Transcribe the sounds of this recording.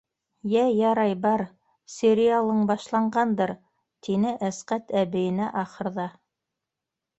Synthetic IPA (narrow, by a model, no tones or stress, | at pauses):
jæjɑɾɑjbɑɾ | sʲɪɾʲialˠɤɴbɑʃlˠɑɴɢɑnd̪ɤɾ | t̪ʰinɘʔæsqæt̪æβɘ̆jɘ̆næʔɑχɤ̆ɾðɑ